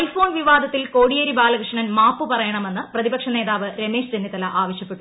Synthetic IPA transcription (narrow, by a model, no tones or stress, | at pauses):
lfo̞ːnʋiʋaːd̪ʱɐt̪ːilko̞ːɽijɐɾibaːlɐkrɨʂɐɳɐnmaːpːɨpɐrɐjɐɳɐme̞nːɨprɐðibɐkʂɐne̞ːðaːʋɨɾemeːʂɾenːit̪ɐlɐʔaːʋɐɕjɐpːe̞ʈːu